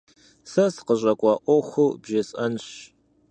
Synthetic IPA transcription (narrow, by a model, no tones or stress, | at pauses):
sɐsqəɕʼɐkʷʼɑʔʷɔxʷɨbʒɐsʼɐnɕ